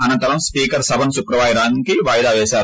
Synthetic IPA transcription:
ɐnɐnt̪ɐɾɐmspiːkɐɾsɐbʱɐnsukɾɐʋaːjɾaːŋkiʋaːjd̪aːʋɛːʃaːɾu

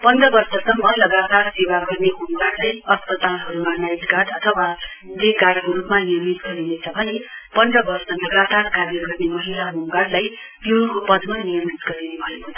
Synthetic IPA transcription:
pʌnd̪rʌbʌrsʌsʌmːʌlʌɡat̪arsewaɡʌrneɦomɡaɽlajʌspʌt̪alɦʌɾumanajd̪ɡad̪ʌt̪ʰʌwa | d̪eɡaɽkoɾupmanijʌmit̪ɡʌɾinet͡sʰʌbʱʌnepʌnd̪rʌbʌrsʌlʌɡat̪arkaɾirɡʌrnemʌɦilaɦomɡaɽlaj | pinkopʌd̪manijʌmit̪ɡʌɾinebʱʌjot̪

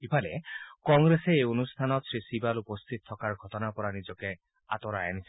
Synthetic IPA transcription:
kipʰalḛkɔŋɡɾeseːonust̪ʰanɔt̪sɾisibalupost̪ʰit̪ɔt̪ʰːɔkaɾɡʱɔt̪ɔnapɔɾanid͡ʒɔke | a̰t̪ɔɾajanisʰi

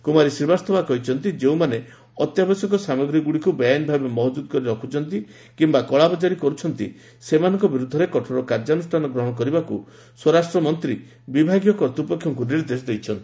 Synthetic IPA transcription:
kumaɾisiɾbast̪ʰɔbakɔɦit͡ʃʰɔnt̪id͡ʒeũmane | ɔt̪jabɔsɔkɔsamɔɡɾiɡuɭikubɔjanbʱabemɔɦd̪ud̪kɔɾiɾɔkʰut͡ʃʰɔnt̪i | kimbakɔɭabɔd͡ʒaɾikɔɾut͡ʃʰɔnt̪ḭ | semanɔŋkɔbiɾud̪ʱːɔɾekɔʈʰɔɾɔkaɾd͡ʒanusʈʰanɔɡɾɔɦɔɽ̃ɔkɔɾibaku | swɔɾasʈɾɔmɔnt̪ɾi | bibʱaɡjɔkɔɾt̪upɔkʰːjɔŋkuniɾd̪esɔd̪ejt͡ʃʰɔnt̪i

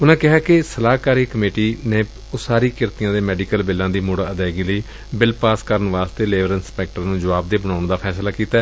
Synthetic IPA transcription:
ʊnãːkɪɦaːkɪsəlaːkaːɾiːkəmeːʈiːneː | osaːɾiːkɪɾt̪ɪjãːd̪eːmɛːɖikəlbɪlːãːd̪iːmʊɽaːəd̪ɛːɡiːləiː | bɪlpaːskəɾənʋaːst̪eːleːʋəɾɪnspɛːk̚ʈəɾnũːd͡ʒəʋaːb̚d̪eːbənaːʊɳd̪aːpʰɛːslaːkiːt̪aːɛ

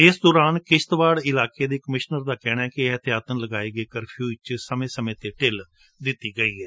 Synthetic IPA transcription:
ɪsd̪ɔːɾaːnkɪʃt̪ʋaːɽɪlaːkeːd̪eːkəmɪʃnəɾd̪aːkɛːɽ̃aːɛːkɪɦət̪ɪjaːt̪ənləɡaːeːɡəeːkəɾpʰjuːt͡ʃsəmẽːsəmẽːt̪eːʈɪl | d̪ɪt̪ːiːɡəiːɦɛː

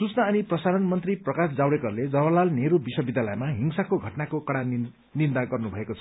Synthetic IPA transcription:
sut͡snaːniprʌsaɾʌnmʌnt̪riprʌkasd͡zawɽekʌɾled͡zʌβʌlalneɾubisʌbid̪ʱjalʌjmaɦiŋsakoɡʱʌʈnakokʌɽan | nind̪aɡʌrnubʱʌekot͡sʰʌ̥

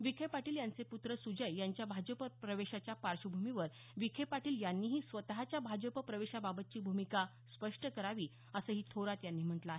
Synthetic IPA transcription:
ʋikʰepaʈiːljant͡seput̪ɾəsud͡ʑəjːjaɲt͡ɕjabʱad͡ʑəpəpɾəʋeɕat͡ɕjapaɾʂəbʱumiʋəɾ | ʋikʰepaʈiːljanːiːɦiːsʋət̪ɦat͡ɕjabʱad͡ʑəpəpɾəʋeɕababət̪̚t͡ɕiːbʱumika | spəʂʈəkəɾaʋiː | əsəːɦiːt̪ʰoɾat̪janːiːm̤əʈləaɦe

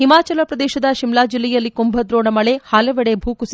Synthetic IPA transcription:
ɦimaːt͡ʃɐlɐpɾɐd̪ɛːʃɐd̪ɐʃimlaːd͡ʒilːɛjɐlːikumbʱɐd̪ɾoːɳɐmɐɭe̞haːlɐʋeɽebʱuːkus

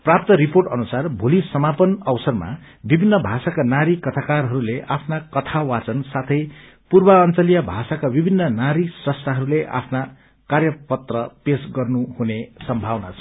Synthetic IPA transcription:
prap̚t̪ʌɾiporʈʌnusarbʱulisʌmapʌnʌwsʌrma̰ | bibʱinːʌbʱasakanaɾikʌt̪ʰakarɦʌɾuleʔapʰnakʌt̪ʰawat͡sʌnsat̪ʰʌj | purbaʌnt͡sʌlijʌbʱasakabibʱinːʌnaɾisrʌst̪ʰaɦʌɾuleʔa̰pʰna | karjʌpʌt̪rʌpesɡʌrnuhunesʌmbʱawna̰t͡sʰʌ̥

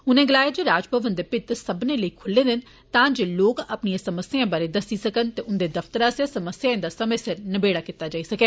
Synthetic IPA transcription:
ʊnẽːɡəlaːed͡ʒeːɾaːd͡ʒpʰəʋənt̪d̪epɪt̪səbnẽːləiːkʰʊlːeːd̪ɪn | t̪ãːd͡ʒeːloːkəpnijãːsəməsjãːbaːɾeːd̪əsiːsəkənt̪eːʔʊnd̪eːd̪əft̪əɾãːsjaːsəməsjãːɪ̃nd̪aːsəmə̃ːsɪɾnəbeːɽaːkit̪aːd͡ʒaːiːsəkeː

